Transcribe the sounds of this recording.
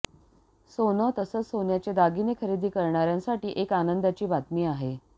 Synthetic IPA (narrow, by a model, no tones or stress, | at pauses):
sonət̪əsət͡ssonjat͡ɕed̪aɡinekʰəɾid̪iːkəɾɳaɾjãnsaʈiːʔekanənd̪at͡ɕiːbʱat̪miːaɦe